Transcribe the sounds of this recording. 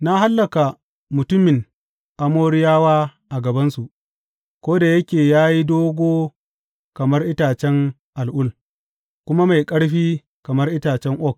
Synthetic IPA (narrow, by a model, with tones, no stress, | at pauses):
na˦ha˦lːɐ˨ka˨ | mʊ˨tʊ˦mːɪ˨ŋ | ʔa˨moː˦ɽɪ˦jaː˦waː˦ʔa˨ɡɐ˨bɐ˦nsu˨ʔ | kʷoː˦da˨jɐ˦kʲeː˨jaː˦ji˦doː˦ɡʷoː˦ | kɐ˨mɐ˦rʔɪ˦taː˨t͡ʃɛ˦ŋ | ʔa˨lʔʊ˦l | kʷʊ˦ma˦ma˨jkʼɐ˦ɽɸiː˦ | kɐ˨mɐ˦rʔɪ˦taː˨t͡ʃɛ˦ŋʔɔ˦k̚